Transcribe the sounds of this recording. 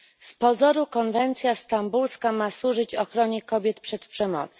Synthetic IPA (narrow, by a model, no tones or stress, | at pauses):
spɔzɔɾukɔnvɛnt̪sʲjast̪ambulskamaswuʐɘt͡ɕɔxɾɔɲɛkɔbʲjɛt̪pʂɛt̪pʂɛmɔ̰t̪s